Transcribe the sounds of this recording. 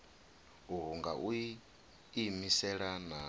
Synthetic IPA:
uɦuŋɡaʔu | imisɛɺana

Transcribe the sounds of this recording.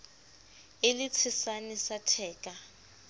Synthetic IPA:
ɪlɪt͡sʰɪsanisatʰɛːkʼa

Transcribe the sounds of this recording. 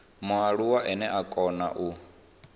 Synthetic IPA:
mɔaɺuwaʔɛnɛʔakʼɔna̰ʔu

